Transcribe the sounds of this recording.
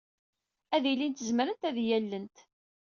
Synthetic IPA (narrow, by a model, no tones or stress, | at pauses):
æðilint̪əzməɾənt̪æðjælːənt̪